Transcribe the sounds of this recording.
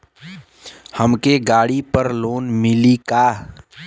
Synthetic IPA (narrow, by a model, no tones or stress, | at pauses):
həmkeɡaːɽipəɾloːnmɪlikaː